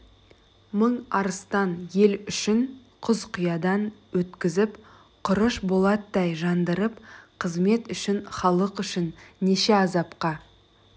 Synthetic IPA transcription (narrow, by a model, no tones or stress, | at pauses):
məɴɑɾəst̪ɑnje̞lʏʃɪɴ | qʰʊzqʰʊjɑd̪ɑnwɵt̪kʲɪzɪp | qʰʊɾəʃbo̞lˠɑt̪ːɑjʒɑnd̪əɾəpqʰəzme̞t̪ʏʃɪɴχɑlˠəqʏʃɪnːeʃe̞ɑzɑpqɑ